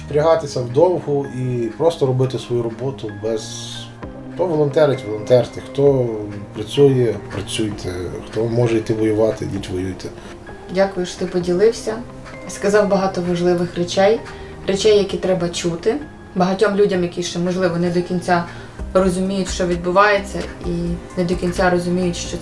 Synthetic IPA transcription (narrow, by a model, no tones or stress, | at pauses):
spɾʲɐɦɑt̪ɪsʲɐwd̪ɔwɦʊipɾɔst̪ɔɾɔbɪt̪ɪsʋɔjuɾɔbɔt̪ʊbɛz̥ | xt̪ɔʋɔlˠɔnt̪ɛɾɪtʲʋɔlˠɔnt̪ɛrt̪ɪxt̪ɔpɾɐt͡sʲujɛpɾɐt͡sʲujt̪ʰɛxt̪ɔmɔʒɛit̪ɪʋɔjʊʋɑt̪ɪjʲitʲʋɔjujt̪ɛ | dʲakʊjʊʃt̪ɪpɔdʲilˠɪwsʲɐ | skɐzɑwbɐɦɑt̪ɔʋɐʒlˠɪʋɪxret͡ʃɛj | ret͡ʃɛjːɐkʲit̪ɾɛbɐt͡ʃut̪ɪ | bɐɦɐtʲɔmlʲudʲɐmjɐkʲiʃt͡ʃɛmɔʒlˠɪʋɔnɪd̪ɔkʲinʲt͡sʲa | rɔzʊmʲijʊtʲʃt͡ʃɔʋʲid̪̚bʊʋɑjet͡sʲːɐinɛd̪ɔkʲinʲt͡sʲaɾɔzʊmʲijʊtʲʃt͡ʃɔ